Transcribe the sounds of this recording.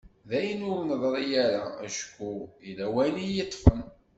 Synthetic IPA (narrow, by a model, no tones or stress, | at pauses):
ðæjənʊɾnəðˤɾˤijæɾæ̰æ̰ʃkːuilæwælijət̪ˤːfən